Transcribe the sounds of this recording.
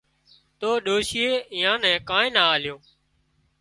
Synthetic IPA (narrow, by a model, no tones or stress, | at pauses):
t̪oːɗoːʃɪjeːɪjãːnɛ̃ːkaːẽːnaːaːlɪjõː